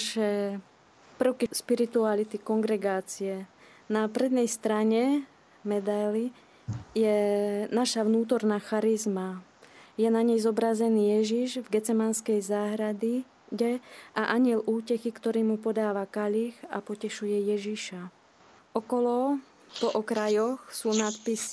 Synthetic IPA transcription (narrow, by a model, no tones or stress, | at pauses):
ʃɛ | pr̩ʊkiʃpiɾit̪ualit̪ikɔŋɡɾɛɡaːt͡siɛ | napɾɛd̪nɛjst̪ɾaɲɛ | mɛd̪ajli | jɛnaʃaʋnuːt̪ɔɾnaːxaɾizmajɛnaɲɛjzɔbɾazɛniːjɛʒiʒvɡɛt͡sɛmanskɛjzaːɦɾad̪i | ɟɛʔaʔaɲɪɛlʔuːcɛxikt̪ɔɾiːmupɔd̪aːʋakaʎixa̰pɔcɛʃujɛjɛʒiʃa | ʔɔkɔlɔ | pɔʔɔkɾajɔxsuːnat̪pisi